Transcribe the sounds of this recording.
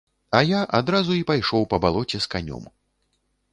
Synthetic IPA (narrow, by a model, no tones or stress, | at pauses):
ɐjaʔad̪ɾazuipajʂɔwpɐbalˠɔt͡sʲɛskanʲɔ̰m